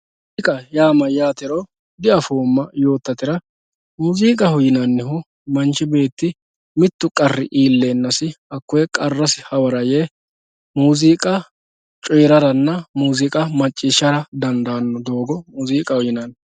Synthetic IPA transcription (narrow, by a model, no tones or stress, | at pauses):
kʼɐjaːmɐjaːt̪ɪɾɔ | d̪ɪɐfoːmːɐjo̞ːt̪ːɐt̪ɪɾɐ | muːziːkʼɐhʊjɪnɐnːɛhʊ | mɐnt͡ʃːɪbe̞ːt̪ːɪ | mɪt̪ːʊkʼɐrːɪ̰ʔiːlːeːnːɐsɪɐkːʊjɛkʼɐrːɐsɪhɐwɐɾɐje | muːziːkʼɐ | t͡ʃʼɔjɾɐɾɐnːɐmuːzikʼɐmɐt͡ʃʼːiːʃːɐɾɐd̪ɐnd̪aːnːɔd̪o̞ːɡɔmuːziːkʼɐhʊjɪnɐn